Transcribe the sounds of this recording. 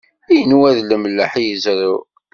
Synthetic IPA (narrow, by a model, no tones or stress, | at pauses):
æjənwæðləmlːəħjəzɾˤu